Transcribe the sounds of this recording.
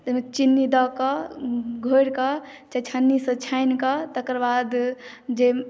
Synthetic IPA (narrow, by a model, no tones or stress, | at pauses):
t̪ət͡ʃinːid̪ɔkɔ | ɡʱojɽkɔt͡ʃat͡ʃʰanːisə̃t͡ʃʰajnkɔt̪əkɾbad̪d͡ʒe